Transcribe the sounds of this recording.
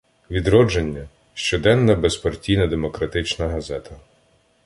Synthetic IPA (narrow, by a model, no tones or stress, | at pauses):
ʋʲid̪ɾɔd͡ʒenʲːɐ | ʃt͡ʃɔd̪ɛnːɐbespɐrtʲijnɐd̪emɔkɾɐt̪ɪt͡ʃnɐɦɐzɛt̪ʰɐ